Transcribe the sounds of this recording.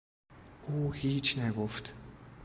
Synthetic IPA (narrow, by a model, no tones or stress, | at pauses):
uːhiːt͡ʃʰnæɡoft̪